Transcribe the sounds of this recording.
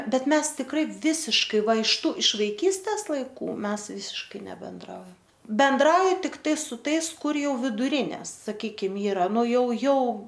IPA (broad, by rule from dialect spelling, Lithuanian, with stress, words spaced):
ˈbʲɛt ˈmʲɛs tʲɪkˈrɐɪ ˈʋʲɪsʲɪʃkɐɪ ˈʋɐ ɪʃ ˈtuː ɪʃ ʋɐɪˈkʲiːsʲtʲɛs lˠɐɪˈkuː ˈmʲɛs ˈʋʲɪsʲɪʃkɐɪ nʲɛbʲɛnˈdrɐʊjɛm bʲɛnˈdrɐʊjɪ tʲɪkˈtɐɪ sʊ ˈtɐɪs ˈkʊr ˈjɛʊ ʋʲɪdʊˈrʲɪnʲɛs sɐˈkʲiːkʲɪm ˈiːrɐ ˈnʊ ˈjɛʊ ˈjɛʊ